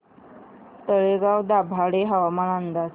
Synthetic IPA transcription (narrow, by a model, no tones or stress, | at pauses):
t̪əɭeɡawd̪abʱaɽeɦaʋamanand̪as